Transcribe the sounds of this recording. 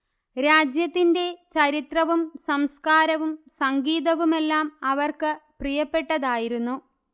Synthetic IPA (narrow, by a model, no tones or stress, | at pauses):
ɾaːd͡ʑjɐt̪ːinde̞t͡ɕɐɾit̪rɐʋumsɐmskaːɾɐʋumsɐŋɡiːðɐʋume̞lːaːmɐʋɐrkɨprijɐpːe̞ʈːɐðaːjiɾunːu